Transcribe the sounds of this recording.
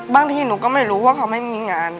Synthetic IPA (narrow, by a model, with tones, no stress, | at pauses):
baː˥˩ŋt̪ʰiː˧˥˩nuː˨˦kɔː˥˩ma˥˩jɾuː˦˥waː˥˩kʰa˧˦˥wma˥˩jmiː˧ŋaː˧n